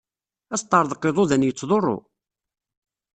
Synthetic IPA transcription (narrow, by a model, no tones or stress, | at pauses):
æst̪ˤːɑɾðˤqːeðˤoðænjət͡sːðˤorˤːo̰